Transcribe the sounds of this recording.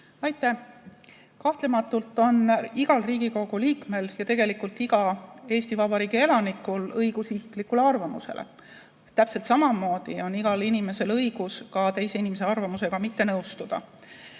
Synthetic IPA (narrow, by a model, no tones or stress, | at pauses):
ɑjt̪ːˑæh | kɑht̪lemɑt̪ːˑult̪ˑːo̞niɡ̥ɑlriːɡ̥iko̞ɡ̥uliːkme̞ljɑt̪e̞ɡ̥e̞likːult̪ːiɡ̥ɑe̞ːsʲt̪ivɑb̥ɑɾiːɡ̥ie̞lɑnikulɤjɡ̥usisi̥klikːˑule̞ɑrvɑmṵse̞̰lḛ | t̪ːæpse̞lt̪sɑmɑmo̞ːd̪̥io̞niɡ̥ɑlinime̞se̞lɤjɡ̥uskɑt̪e̞jse̞inimes̬e̞ɑrvɑmuse̞ɡ̥ɑmit̪ːe̞nɤwst̪ud̪̥ɑ̰